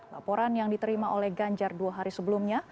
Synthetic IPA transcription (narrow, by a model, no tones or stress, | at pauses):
la̰poɾanjaŋdit̪əɾimaʔolɛhɡaɲd͡ʒarduaɦaɾisəbəlumɲa